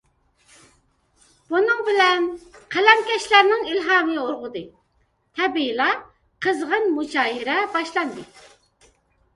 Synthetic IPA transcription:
b̥unɨŋbɪlɛnqʰælɛmkʲɛʃlæɾnɪŋilɦɑːmɨoɾʁʊd̪ɨ | t̪ʰɛbilˠɑ | qʰəzʁənmut͡ʃɑːjiɾɛbɑʃlˠɑnd̪ɨ

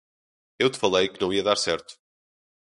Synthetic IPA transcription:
ewt̪ɨ̥fɐlˠejkɨnɐ̃w̃iɐðaɾsɛɾt̪u̥

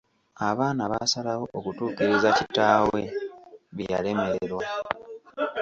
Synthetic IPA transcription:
aβaːnaβasalawo̞ʔokutuːkiɾizacitaːwe̞̰βija̰le̞me̞ɾeɾwa

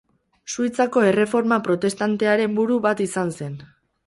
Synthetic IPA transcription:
suit͡sako̞e̞re̞fo̞ɾmapɾo̞t̪e̞st̪ant̪e̞aɾe̞mbuɾuβat̪isanse̞n

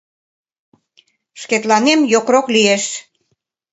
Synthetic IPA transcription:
ʃket̪lɑnemjokroklieʃ

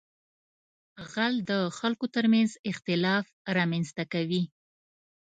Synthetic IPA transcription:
ɣald̪əxalkot̪əɾmanzɪxt̪ɪlɑf | ɾɑmanzt̪akawi

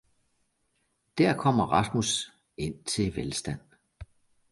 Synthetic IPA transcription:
d̥æɐ̰kʰɒ̽m̰ɐʁɑ̈smus | e̝n̰t͡sʰe̝ʋelsd̥æn̰

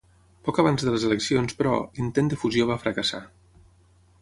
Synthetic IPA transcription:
pɔkəβ̞anzðələzələksionspɾɔ̰int̪end̪əfuzjoβ̞afɾəkəsa̰

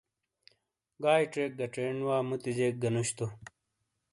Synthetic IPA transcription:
ɡaːjʈeːk̚ɡɐʈ͡ʂeːɳwaːmut̪id͡ʑeːk̚ɡɐnuɕt̪u

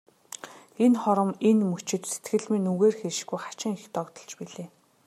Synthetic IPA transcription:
enχɔɾɞ̆menmut͡ɕɪ̆t̪se̥t̪ɡɘ̆ɮmĭnuɣeːrxeɾʃɡujχḁt͡ɕɪ̆ŋixt̪ɔkt̪ɞ̆ɮt͡ɕpiɮeː

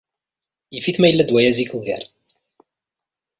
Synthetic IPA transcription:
jifiθmæjəlːæd̪wæjæziklɡæ̰ɾˤ

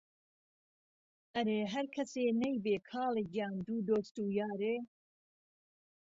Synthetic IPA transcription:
ʔɐɾeːɦɐɾkʰɐseːnɐjbeːkʰɑːleːɡjaːnd̪uːd̪oːst̪uːjaːɾeː

